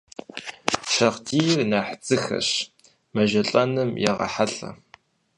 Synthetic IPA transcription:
ʃɐqdʰiːjɪrnaːħt͡sʼɨxɐ̰ɕ | mɐʒɐɬʼɐnɨmjɛʁɐ̰ħaɬɐ̰

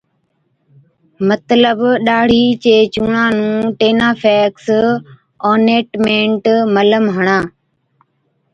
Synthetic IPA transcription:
mət̪ləbɗaːɽ̤iːt͡ɕeːt͡ɕũːɳãːnũːʈeːnaːfʰɛːks | ɔːneːʈmẽːɳʈmələmɦəɳ̃ãː

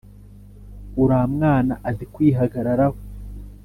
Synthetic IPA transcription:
uɾaːmŋaːnaʔazikwiːɦaɡaɾaɾaho

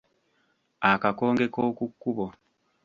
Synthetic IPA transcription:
akako̞ːŋɡe̞ko̞ːkukːuβo

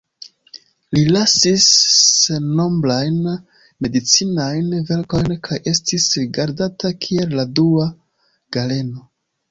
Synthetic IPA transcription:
lilasiseno̞mblajn | me̞dit͡sinajnve̞ɾko̞jnkʰajʔe̞stisɡaɾdatakʰie̞lːadua | ɡ̥ale̞no̞

